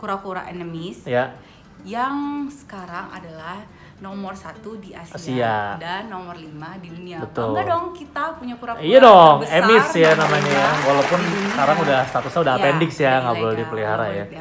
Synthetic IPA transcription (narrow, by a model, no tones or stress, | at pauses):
kuɾakuɾa̰ʔenəmisja | jaŋsə̥kaɾaŋa̰dalah | nɔmərsat̪udiasasiadanːɔmərlimadiduniabət̪ʊladɔŋkit̪apuɲakuɾakiadɔŋemɪtsjanamaɲajawalawpʊnsə̥kaɾaŋudahst̪at̪usanudapɛndɪksjaŋɡablldipəliɦaɾaja